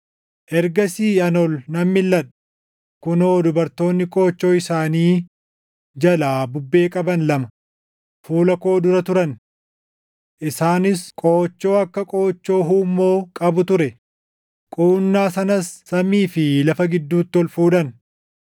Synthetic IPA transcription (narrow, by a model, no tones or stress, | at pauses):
ʔɛɾɡɐsiːɐnɔlnɐmːɪlːɐᶑɐ̥ | kʊnoːd̪ʊbɐɾt̪o̞ːnːɪkʼo̞ːt͡ʃːo̞ːɪsaːniː | d͡ʒɐlaːbʊbːe̞ːkʼɐbɐnlɐmɐ | fuːlɐko̞ːd̪ʊɾɐt̪ʊɾɐn | ʔɪsaːnɪskʼoːt͡ʃːo̞ːɐkːɐkʼo̞ːt͡ʃːo̞ːɦuːmːo̞ːkʼɐbʊt̪ʊɾɛ | kʼuːnːaːsɐnɐsːɐmiːfɪlɐfɐɡɪd̪ːuːt̪ːɪɔlfuːᶑɐn